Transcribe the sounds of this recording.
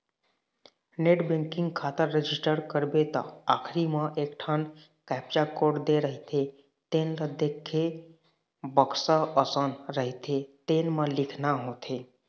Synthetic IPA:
neːʈbẽŋkɪ̃ŋɡkʰaːt̪əɾːed͡ʒisʈəɾkəɾbet̪a̰aːkʰɾimə̃ʔeːkʈʰan | kɛːp̚t͡ʃakoɖd̪eɾəɦit̪ʰe | t̪eːnləd̪ʱekʰːe | bəksəəsənɾəɦit̪ʰet̪eːnmə̃lɪkʰnaɦoːt̪ʰeː

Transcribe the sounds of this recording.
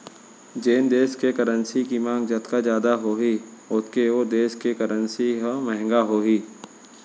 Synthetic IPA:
d͡ʒeːnd̪eːskekəɾənsikimãːŋɡd͡ʒət̪kazd͡ʒjaːd̪aɦoɦiʊt̪keoːɾd̪eːskekəɾənsiɦmɛɦŋɡaɦoːɦiː

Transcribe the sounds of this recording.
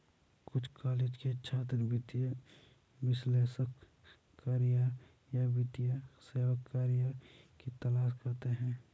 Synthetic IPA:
kʊt͡ʃʰkaːleːd͡ʒket͡ʃʰaːt̪ɾbɪt̪ijə | ʋɪsleːsək | kːaːɾija | jabɪt̪ijaseːwəkːaːɾjakit̪ɐlaːʃkɐɾt̪eɦɛ̃ː

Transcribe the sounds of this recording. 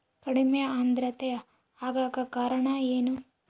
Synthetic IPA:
kɐɽimejɐaːnd̪ɾɐt̪ɛjɐ | aːɡaːkɐkaːɾɐɳɐeːnu

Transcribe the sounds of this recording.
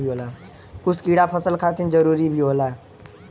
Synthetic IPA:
bʱiɦola | kʊt͡ʃʰkiːɽapʰəsəlkʰat̪ind͡ʒəɾuːɾibʱiɦoːla

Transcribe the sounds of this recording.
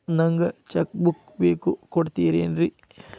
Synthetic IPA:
nɐŋɡɐt͡ʃɐk̚buk | beːkukoɽt̪iːɾeːnɾi

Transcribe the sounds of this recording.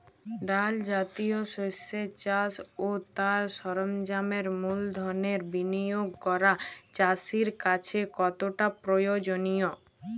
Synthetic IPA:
ɖald͡ʑat̪ioʃoset͡ɕasot̪aɾʃɔɾomd͡ʑameɾmuld̪ʱɔɾneɾbinijoɡ̚kɔɾat͡ɕasiɾkat͡ɕʰekɔt̪oʈapɾojod͡ʑonijo

